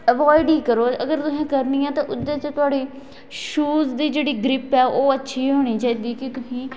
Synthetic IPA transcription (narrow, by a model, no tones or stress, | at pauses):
əʋɔːɪɖiːkəɾoːəɡəɾt̪ʊsẽːkəɾnĩːɛ̃ːt̪ãːʔʊd̪ãːt͡ʃət̪ʊaːɽeː | ʃuːzd̪iːd͡ʒeːɽiːɡɾɪpɛːʔoːətːʃʰiːɦoːɽ̃iːt͡ʃaːiːd̪iːkɪt̪ʊsĩː